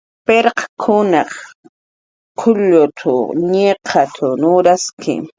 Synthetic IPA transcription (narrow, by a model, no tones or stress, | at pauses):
peɾqḁkʰʊnɑχ | qʰʊʎʊt̪ʰʊɲeqʰat̪ʰʊnʊɾaskʰɪ̰